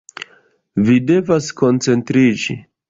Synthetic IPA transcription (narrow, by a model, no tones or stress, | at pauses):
vide̞vasko̞nt͡se̞ntɾid͡ʒḭ